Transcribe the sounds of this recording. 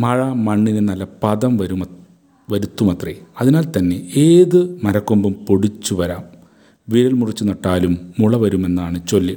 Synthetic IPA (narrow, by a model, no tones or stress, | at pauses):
mɐɻɐmɐɳːinɨnɐlːɐpɐðɐmʋɐɾum | ʋɐɾut̪ːumɐt̪reɐðinaːlt̪ɐnːe̞eːðɨmɐɾɐkːombumpoɽit͡ɕːuʋɐɾaːm | ʋiɾɐlmurit͡ɕːunɐʈːaːlumːuɭɐʋɐɾume̞nːaːɳɨt͡ɕolːi